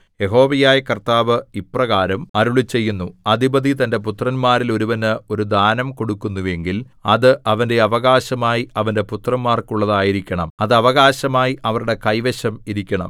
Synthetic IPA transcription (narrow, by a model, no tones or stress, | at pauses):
je̞ɦo̞ːʋɐjaːjɐkɐrt̪aːʋɨiprɐɣaːɾɐmɐɾuɭit͡ɕːe̞jːunːuɐd̪ʱibɐd̪it̪ɐnde̞p̬ut̪rɐnmaːɾilo̞ɾuʋɐnɨo̞ɾud̪aːnɐmko̞ɽukːunːuʋe̞ŋɡil | ɐðɨʔɐʋɐnde̞ɐʋɐɣaːɕɐmaːjiɐʋɐndeput̪rɐmːaːrkuɭːɐðaːjiɾikʲːɐɳɐmɐðɨɐʋɐɣaːɕɐmaːjiʔɐʋɐɾuɽe̞kɐjʋeɕɐmiɾikʲːɐɳɐ̰m